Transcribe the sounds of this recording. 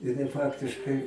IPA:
jɪˈnɐɪ ˈfɑːktʲɪʃkɐɪ

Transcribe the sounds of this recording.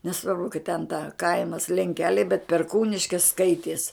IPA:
nʲɛˈsʋɐrbʊ kɐt tʲɛn tɐ ˈkɐɪmɐs lʲɛŋʲˈkʲæːlʲɛɪ bʲɛt pʲɛrˈkuːnʲɪʃʲkʲɪs ˈskɐɪtʲiɛs

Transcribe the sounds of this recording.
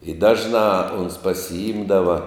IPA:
ɪ ˈdɑːʒnɑː oːns pɐsʲɪˈɪmdɐʋɐ

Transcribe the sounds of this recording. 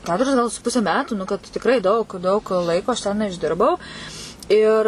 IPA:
ˈkʲæːtʊrʲɪs ɡɐlˠ sʊ ˈpʊsʲɛ ˈmʲæːtuː nʊ kɐt tʲɪkˈrɐɪ dɐʊk dɐʊk ˈlˠɐɪkoː ɐʃ ˈtʲɛn ɪʒʲˈdʲɪrbɐʊ ɪr

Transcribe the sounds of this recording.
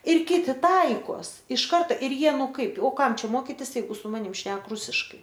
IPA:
ɪr ˈkʲɪtʲɪ ˈtɐɪkoːs ɪʃ ˈkɐrtɐ ɪr ˈjiɛ ˈnʊ ˈkɐɪp oː ˈkɐm ˈt͡ʃʲɛ ˈmoːkʲɪtʲɪs jɛɪˈɡʊ sʊ ˈmɑːnʲɪm ˈʃʲnʲɛk ˈrʊsʲɪʃkɐɪ

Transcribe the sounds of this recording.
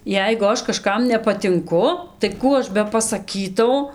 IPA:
ˈjɛɪɡʊ ˈɐʃ kɐˈʃkɐm nʲɛpɐtʲɪŋˈkʊ tɐɪ ˈkuː ˈɐʃ bʲɛpɐsɐˈkʲiːtɐʊ

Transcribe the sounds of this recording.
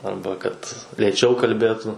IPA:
ˈɐrbɐ kɐt lʲeːˈt͡ʃʲɛʊ kɐlʲˈbʲeːtʊ

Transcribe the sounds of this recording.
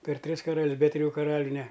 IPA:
pʲɛr ˈtʲrʲɪs kɐrɐlʲsʲ bʲɛ tʲrʲɪˈjuː kɐˈrɑːlʲʊ nʲɛ

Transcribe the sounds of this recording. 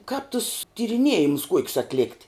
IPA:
kɑːp tʊs tʲɪrʲɪˈnʲiɛjɪmʊs ˈkuɔkʲʊs ɐtʲˈlʲɛkt

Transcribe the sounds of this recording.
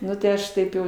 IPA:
ˈnʊ tɐɪ ˈɐʃ ˈtɐɪp jɛʊ

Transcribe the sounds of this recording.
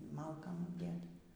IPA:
ˈmɐlˠkɐm ɐbʲˈdʲeːtɐ

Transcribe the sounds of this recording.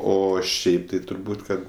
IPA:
ˈoː ˈʃʲɛɪp tɐɪ tʊrˈbuːtʲ ˈkɐt

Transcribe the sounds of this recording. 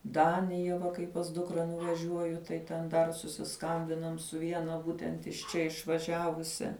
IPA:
ˈdɑːnʲɪjɛ ʋɐ kɐɪ pɐs ˈdʊkrɐ nʊʋɐˈʒʲuɔjʊ tɐɪ tʲɛn ˈdɐr sʊsʲɪˈskɐmʲbʲɪnɐm sʊ ˈʋʲiɛnɐ ˈbuːtʲɛnt ɪʃ ˈt͡ʃʲɛ ɪʃʋɐˈʒʲæːʋʊsʲɛ

